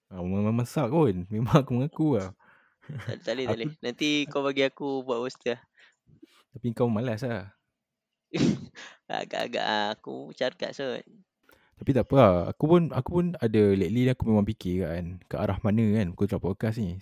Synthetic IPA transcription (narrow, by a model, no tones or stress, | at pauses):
ammmãmasaʔ̚punmemãŋakumaŋakua | at̪aletaalenant̪ikawbaɡiakubuaʔwust̪iah | t̪apiŋkawməmalas̬lah | a̰ɡa̰ʔa̰ɡa̰ʔaakṵt͡ʃarka̰ʔsət̚ | t̪apit̪aʔpəaa̰kupʊna̰kupʊnadaleʔlinakumemãŋpikekaʔankaʔaɾahmanəkanbukut̪ɾapaəkas̬ni